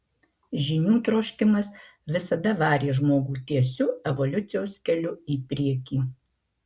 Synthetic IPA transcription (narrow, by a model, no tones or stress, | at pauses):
ʒʲɪnʲuːt̪ɾoːʃʲkʲɪmɐs | ʋʲɪsɐd̪ɐʋɑːɾʲeːʒmoːɡuːt̪ʲiɛsʲʊɛʋɔlʲʊt̪sʲɪjoːsʲkʲɛlʲʊiːpʲɾʲiɛkʲiː